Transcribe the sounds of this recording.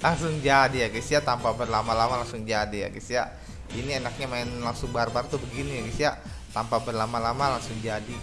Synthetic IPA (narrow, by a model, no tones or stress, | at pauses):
laŋsʊŋd͡ʒadijaɡɛsijat̪ampabərlamalamalaŋsʊŋd͡ʒadija̰ɡisija̰ʔ | inienak̚ɲamaɪnlaŋsʊŋbarbart̪ubəɡinijaɡisijaʔ | t̪ampabərlamalamalaŋsʊŋd͡ʒadi